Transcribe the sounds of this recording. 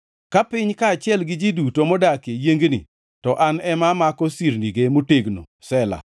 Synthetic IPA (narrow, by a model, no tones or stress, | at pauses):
kapɪɲkaːt͡ʃɪɛlɡɪd͡ʒidutomɔdakejeŋɡnḭ | tɔʔanɛmamakɔsiɾniɡemoteɡno̰ | sɛla̰